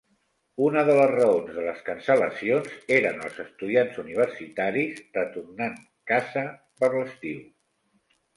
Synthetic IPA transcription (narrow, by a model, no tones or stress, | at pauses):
unəðələzrəonzðələskənsələsionzeɾənəlˠzəst̪uðianzuniβ̞ərsit̪aɾizrət̪urnaŋ | kazə | pəɾləst̪iuw